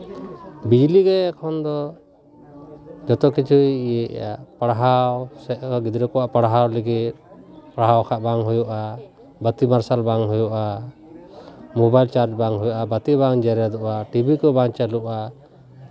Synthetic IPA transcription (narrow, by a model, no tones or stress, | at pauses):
bid͡ʒliɡɛːkʰɔnd̪ɔ | d͡ʒɔt̪ɔkit͡ʃʰujijḛja̰ʔpaɽaɦawsɛʔkɔɡid̪ɾɛkɔwaʔpaɽɦawliɡit̪̚paɽɦawkʰaʔbaŋɦujuʔa | bət̪imaɾsalbaŋɦujuʔa | mobajlt͡ʃaɾd͡ʒbaŋɦujuʔabət̪ibaŋd͡ʒɛɾad̪ɔʔaʈibikɔbaŋt͡ʃaluʔa